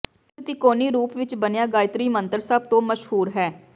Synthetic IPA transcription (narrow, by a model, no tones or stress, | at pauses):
t̪iːkoːniːɾuːpʋɪt͡ʃbənejaːɡaːɪt̪ɾiːmənt̪əɾsaːb̚t̪õːməʃɦuːɾɦɛː